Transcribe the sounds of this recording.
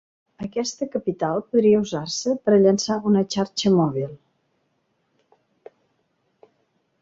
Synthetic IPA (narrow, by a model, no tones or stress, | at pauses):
əkɛst̪əkəpit̪alˠpuðɾiəuzarsəpəɾəʎənsaunət͡ʃaɾt͡ʃəmɔβ̞ilˠ